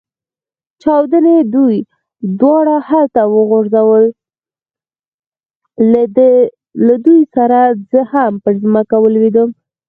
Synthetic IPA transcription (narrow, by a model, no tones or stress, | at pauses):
t͡ʃɑwd̪əned̪uj | d̪wɑɽahalt̪awəɣʊɾzawəl | lad̪ujsaɾazəhampəɾzmakawəlwid̪əm